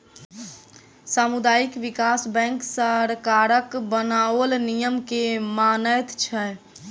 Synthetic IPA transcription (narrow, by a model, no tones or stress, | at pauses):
saːmud̪aːikʋɪkaːsbɛ̃ːŋksaɾkaɾəkbənawəlnijəmkemaːnəjt̪t͡ʃʰɛ